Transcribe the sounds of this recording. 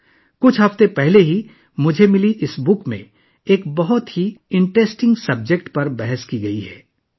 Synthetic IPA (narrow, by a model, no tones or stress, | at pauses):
kʊt͡ʃʰɦɐft̪ẽpɛɦleɦi | mʊd͡ʒʱemɪliʔɪsbʊkmḛ̃ | eːkbɐɦʊt̪ɦiɪ̃ɳʈɾesʈɪ̃ŋɡsɐb̚d͡ʒekʈpɐɾbɛɦɛskiɡɐiɦɛ̰ː